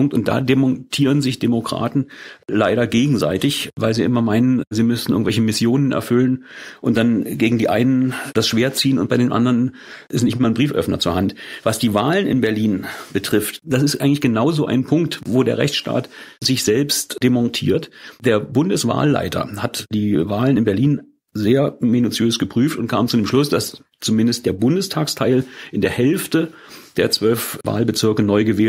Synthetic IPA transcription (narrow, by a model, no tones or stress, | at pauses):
ʊŋktʊntd̥a̰ːdemɔntʰiːʁənzɪçd̥emokʁ̥a̰ːtn̩laɪɾɐɡeːɡŋ̩za̰ɪtɪçvaɪlziːʔɪmɐmaɪnənziːmʏstn̩ʔɪŋ̩tvɛç̬əmɪsjoːnənɛ̰ɐfʏlənʔʊnt̚d̥anɡeːɡŋ̩diːʔaɪnənd̥asʃv̥eːɐt͡siːənʊnt̚b̥aɪɾeːnʔa̰ndɐʁən | ʔɪstnɪçtmaːɐnbʁiːfʔœ̰fnɐ̰t͡suːɐhantvasd̥iːvaːlənɪ̰nbɛɐliːnb̥ətʁ̥ɪftd̥asɪstʔaɪɡŋ̩tlɪçɡ̥ənaʊzoːʔa̰ɪnpʰʊŋk̚tvoːdeːɐʁɛ̰çt͡sʃta̰ːtzɪçz̥ɛlpstd̥emɔ̃ntʰḭːɐtd̥eːɐbʊndəsv̥a̰ːlːa̰ɪtʰɐ̰hatd̥iːvaːlənɪnbɛɐliːn | zeːɐminut͡sjøːsɡ̥əpʁ̥yːftʊnt̚kʰaːmt͡suːdeːmʃlʊsd̥as | t͡sumɪndəst̚d̥eːɐbʊndəstʰaːkstʰaɪlʔɪndeːɐhɛlftə | d̥eːɐt͡sv̥œlfva̰ːlbət͡sɪɐkənɔʏɡəvɛː